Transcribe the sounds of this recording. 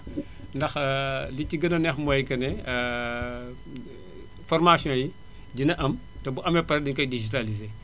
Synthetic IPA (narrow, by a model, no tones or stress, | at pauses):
ndɐxliciɡɐnɐnɛxmɔjkɐnɛ | fɔrmasijɔ̃ːji | ɟinɐʔɐm | tɛbuʔɐmɛpɐɾɛdiɲkɐjdiʒitalize